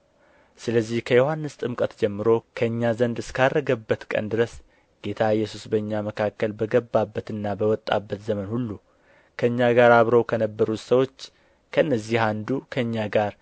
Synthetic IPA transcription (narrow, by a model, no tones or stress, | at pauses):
sɨləzːihkʰəjo̞hanːɨst̪ʼɨmkʼət̪d͡ʒɛmːɨɾo̞kʰəɨɲːazənd̪ɨskʰarːəɡəbːət̪kʼə̰nd̪ɨɾəs | ɡ̥e̞t̪ʰaɨjːɛsusbəɨɲːaməkʰakːəlbəɡəbːabːət̪ɨnːabəwɔt̪ʼːa̰bːət̪zəmənhulːu | kʰəɨɲːaɡaɾaβɾəwkʰənəbːəɾut̪səwo̞t͡ʃː | kʰəɨnːəzːihand̪ukʰəɨɲːaɡaɾ